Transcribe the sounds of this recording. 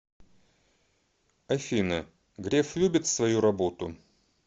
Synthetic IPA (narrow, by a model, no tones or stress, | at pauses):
ɐfʲinə | ɡɾʲeflʲʉbʲɪt̪svɐjuɾɐbo̞t̪ʊ